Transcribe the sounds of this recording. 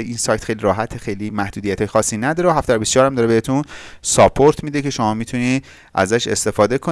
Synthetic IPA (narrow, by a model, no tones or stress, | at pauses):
ʔinsɒːjt̪xejliɾɒːɦæt̪ʰːexejlimæhd̪uːd̪ijæt̪ʰɒːjexɒːsːinæd̪ɒːɾeɦæft̪ææɾbisjɒːɾæmd̪ɒːɾeeet̪ʰunsɒpʰoɾt̪ʰmiːd̪ecʰe̞ʃomɒːmit̪ʰuniː | ʔæ̰zæʃe̞̰st̪e̞fɒːd̪e̞kʰo